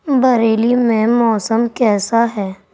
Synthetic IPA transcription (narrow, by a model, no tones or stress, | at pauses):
bɐɾeːlimẽmɔːsəmkɛːsaɦɛː